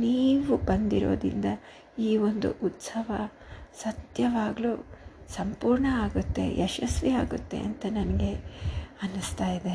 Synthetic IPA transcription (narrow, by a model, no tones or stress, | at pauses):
niːʋubɐnd̪iɾo̞̰ːd̪ḭnd̪ɐ | iːʋo̞nd̪ṵʔut̪sɐʋɐ | sɐt̪jɐʋaːɡɐluːsɐmpuːɾɳɐaːɡut̪ːe̞̰jʔɛʃɐsʋiaːɡut̪ːe̞̰ʔɐ̰nt̪ɐnɐnɐɡe̞ɐnust̪aːjid̪e̞